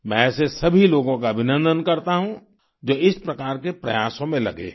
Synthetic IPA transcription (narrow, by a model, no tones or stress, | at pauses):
mɛ̃sesɐbʱiloːɡõkaɐbʱɪnə̃nd̪ʱənkɐɾt̪aɦũ | d͡ʒoːɪspɾɐkaːɾkepɾɐ̰jaːsõmẽlɐ̰ɡḛː